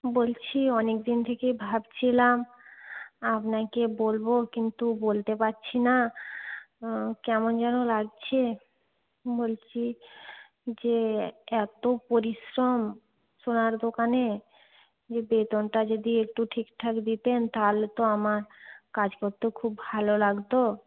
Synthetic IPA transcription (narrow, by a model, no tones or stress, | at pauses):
bolt͡ɕʰiɔnek̚d̪int̪ʰekebʱabt͡ɕʰilam | apnakebolbokint̪ubolt̪epaːɕʰina | kɛmond͡ʑɛnolaɡ̚t͡ɕʰe | bolt͡ɕʰi | d͡ʑeɛt̪opoɾiʃɾom | ʃonaɾd̪okane | d͡ʑebet̪onʈad͡ʑod̪iek̚ʈuʈʰikʈʰakd̪it̪ent̪alet̪oamaɾkad͡ʑkoɾt̪ːokʰubbʱalolaɡt̪o